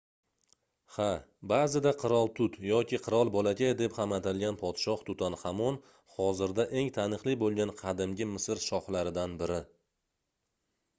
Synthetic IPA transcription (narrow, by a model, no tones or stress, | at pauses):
habazɪd̪aqʰɨɾɒlˠt̪ʰʊt̪jɒkʲʰɪqʰɨɾɒlˠbɒlakʲʰad̪ephamat̪ʰɪlɡʲanpʰɒt̪ʃɒht̪ʰʊt̪ʰanhamɒn | hɒzɪɾd̪aʔe̞ŋt̪ʰanɨqlˠibolˠɡʲanqʰɑd̪ɪmɡʲɪmɪsɪɾʃɒχlaɾɪd̪anbɪɾɪ